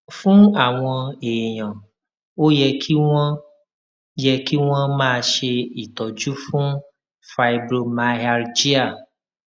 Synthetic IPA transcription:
fũ˦a˦˨w̃ɔ̃˧e˨j̃ɔ̃˨ | o˦jɛ˧kʰi˦wɔ̃˦ | jɛ˧ki˦w̃ɔ̃˦mãː˦˧ʃe˧i˨t̪ɔ˨d͡ʒu˦fũ˦ | fa˨˧i˧bɾo˧ma˧a˧ɾd͡ʒi˦a˨

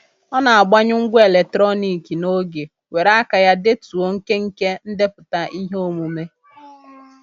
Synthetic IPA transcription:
ɔ˦na˨a˨ɡ͡ba˦ɲʊ˦ŋ̩˦ɡʷʊ˦e˨le˨tɾɔ˦ni˨ki˨no˦ɡe˨ | we˨ɾa˦ka˨ja˦de˦tu˨o˦ŋ̩˦ke˦ŋ̩˦ke˦n̩˦dɪ˦pʊ˨ta˦ʔi˦ɦe˦o˦mu˨me˦

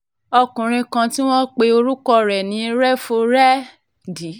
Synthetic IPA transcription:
ɔ˧kũ˨ɾ̃ĩ˧kã˧ti˦w̃ɔ̃˦k͡pe˧o˧ɾu˦kɔ˧ɾɛ˨nĩ˨˦ɾɛ˦fo˧ɾɛ˦ | di˨˦

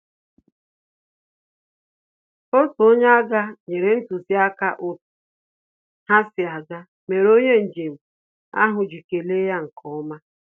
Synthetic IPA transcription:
o˦to˦ɲa˦a˦ɡa˦ɲe˨ɾe˨n̩˦tu˨si˦a˦ka˦ʔo˨t | ha˦sɪ˨a˨ɡa˦ | me˨ɾo˦ɲe˦n̩˨d͡ʒe˨m̩˨ | a̰˦ɦʊ˨d͡ʒi˨ke˨le˦ja˦ŋ̩˨kʰɔ˦ma˦

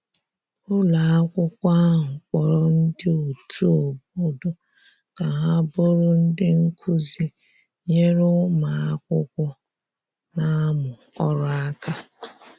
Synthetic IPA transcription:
ʊ˦la˨a˦kʷʊ˦kʷa˦ɦʊ˨k͡pɔ˨ɾɔ˦n̩˦dɪ˦o˨tʰu˦o˨b̚o˦do˨ | ka˨ɦa˦bʊ˦ɾʊ˦n̩˦dɪ˦ŋ̩˦kʰu˦zi˦ | ɲe˦ɾʊ˦ma˨a˦kʷʊ˦kʷʊ˦ | na˦mʊ˨ | ɔ˦ɾɔ˦a˦ka˦

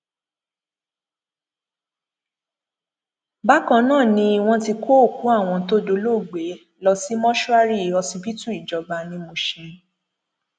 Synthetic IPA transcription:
ba˦kã˧˦nãː˦˨nĩ˧˦i˧w̃ɔ̃˧ti˧kʰo˦o˦˨ku˨˦a˦˨w̃ɔ̃˧to˦do˧lo˦˨ɡ͡be˨˦ | lɔ˧si˦mɔ̃˦ʃu˦a˦ɾi˦i˨ɔ˧si˧˦bi˦tu˦i˨d͡ʒɔ˨ba˧nĩ˧mõ˧ʃɛ̃˨˧

